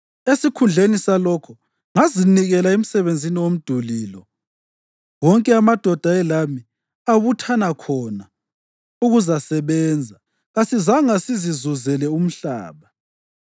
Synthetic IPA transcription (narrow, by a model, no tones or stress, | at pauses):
esikʰund͡ɮʱenisalɔkʰɔ | ŋaziniɣɛlaem̩sɛβend͡zʱiniwom̩d̥ʱuliːlɔ | wɔŋkʼɛamad̥ʱɔd̥ʱaɛlami | aβutʰanakʰɔna | uɣuzasɛβɛːnd͡zʱa | ɣasizaŋasizizuzɛlɛum̩ɬa̰ːβa